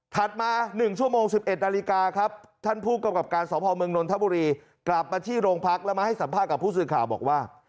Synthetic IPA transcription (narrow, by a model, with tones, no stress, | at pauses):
t̪ʰa˨˩t̪̚maː˧nɯ˨˩ŋt͡ɕʰu˥˩əmoː˧ŋsi˨˩p̚ʔe˨˩t̪̚na˧li˦˥kaː˧kʰɾa˦˥p̚t̪ʰa˥˩npʰuː˥˩t̪̚ka˧˥˩wka˨˩p̚kaː˧nsɔː˩˦pʰɔː˧mɯ˧əŋno˧nt̪ʰa˦˥buː˧ɾiː˧ | kla˨˩p̚maː˧t̪ʰiː˥˩ɾoː˧ŋpʰa˦˥k̚lɛ˦˥wmaː˧ha˥˩jsa˩˦mpʰaː˥˩t̪̚ka˨˩pʰːuː˥˩s̬ɯː˨˩kʰaː˨˩wbɔ̰ː˨˩k̚waː˥˩